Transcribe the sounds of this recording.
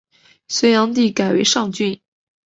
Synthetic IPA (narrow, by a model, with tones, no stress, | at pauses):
swe˧˥ɪjɑ˧˥ŋt̪̬i˥˩ka˨˩ɪwḛ˧˥ɪʂɑ˥˧ŋt͡ɕy˥˩n